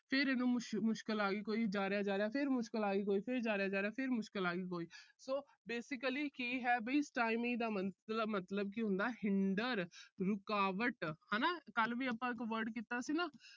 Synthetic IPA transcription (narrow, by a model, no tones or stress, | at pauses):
pʰɪɾɛːnũːʃmʊʃkəlaːɡiːkoːiːd͡ʒaːɾejaːd͡ʒaːɾejaːpʰɪɾmʊʃkəlaːɡiːkoːiːpʰɪɾd͡ʒaːɾejaːd͡ʒaːɾeaːpʰɪɾmʊʃkəlaːɡiːkoːiːsoː | beːsɪkəliːkiːɦɛːbiːsʈaːɪmɪ̃ŋd̪aːmələmət̪ləb̚kiɦʊ̃nd̪aːɦɪɳɖəɾɾʊkaːʋəʈhaːnaːkəlʋiːəpãːɪkʋəɾɖkiːt̪aːsiːnaː